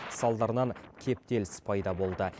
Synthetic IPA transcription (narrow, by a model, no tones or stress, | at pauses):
sɑlˠd̪ɑɾnɑŋkʲʰe̞p̚t̪e̞lɪspʰɑjd̪ɑbo̞lˠd̪ə